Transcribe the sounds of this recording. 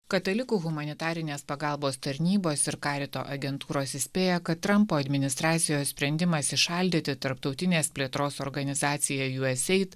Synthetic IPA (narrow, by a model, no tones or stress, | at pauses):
kɐt̪ɐlʲɪkuːɣʊmɐnʲɪt̪ɑːɾʲɪnʲeːspɐɡɑlˠboːst̪ɐɾʲnʲiːboːsɪɾkɑːɾʲɪt̪o̰ːʔɐɡʲɛnt̪uːɾoːsɪsʲpʲeːjɛkɐt̪ːɾɐmpoːɐd̪ʲmʲɪnʲɪst̪ɾɑːt̪sʲɪjoːssʲpʲɾʲɛnʲd̪ʲɪmɐsɪʃɑˑlʲd̪ʲɪt̪ʲɪt̪ɐɾpt̪ɒʊt̪ʲɪnʲeːspʲlʲeːt̪ɾoːsɔɾɡɐnʲɪzɑːt̪sʲɪjɛjuːɛsʲɛɪt̪